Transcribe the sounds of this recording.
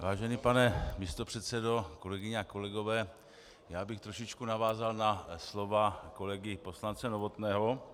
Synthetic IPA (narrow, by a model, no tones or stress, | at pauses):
vaːʒɛnipanɛmist̪o̞pr̥ɛt̪sɛdo̞ko̞lɛɡɪɲɛako̞lɛɡo̞vɛː | jaːbɪxt̪ɾoʃɪt͡ʃkunavaːzalnaslo̞vako̞lɛɡɪpo̞slant͡sɛnovo̞t̪nɛːɦo̞